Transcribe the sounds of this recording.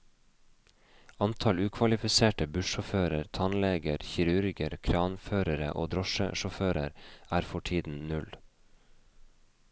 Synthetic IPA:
ɑnt̪ʰɑlʉːkʰʋɑlɪfɪseːʈəbʉʃɔføːɾəɾt̪ʰɑnleːɡəɾçɪɾʉɾɡəɾkʰɾɑːnføːɾəɾə̰ʔo̰ːd̪ɾɔʃə̰ʃɔføːɾə̰ɾæːɾfɔʈʰiːd̪n̩nʉl

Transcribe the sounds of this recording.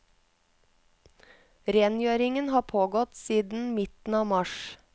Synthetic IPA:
ɾeːnjøːɾɪŋənhɑːpʰoːɡɔt̪siːd̪n̩mɪt̪n̩ɑːʋmɑʃ

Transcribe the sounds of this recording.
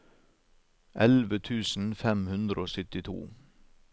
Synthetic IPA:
ʔɛlʋət̪ʰʉːsn̩fɛmhʉnd̪ɾəoːsʏt̪ɪt̪ʰṵː

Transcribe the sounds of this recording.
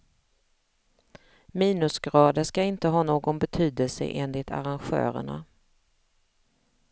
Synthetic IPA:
miːnɵsɡɾɑːd̪əʂkaɪnt̪əɦɑːnoːɡɔnbɛt̪ʰyːd̪əlsə̰ʔeːnlɪt̪ʰa̰ɾanɧœ̰ːɾə̰ɳa̰

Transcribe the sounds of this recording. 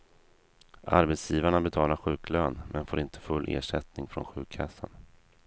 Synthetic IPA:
ʔa̰ɾbɛt̪sjiːvaɳabɛt̪ʰɑːlaɾɧʉ̟ːkløːnmɛnfoːɾɪnt̪ʰə̥fɵlːʔḛːʂɛt̪nɪŋfɾɔ̰nɧʉ̟ːkʰːasːa̰n

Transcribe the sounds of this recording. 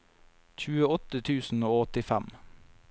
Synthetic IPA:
c͡çʉːəɔt̪ət̪ʰʉːsn̩oːɔt̪ɪfæm

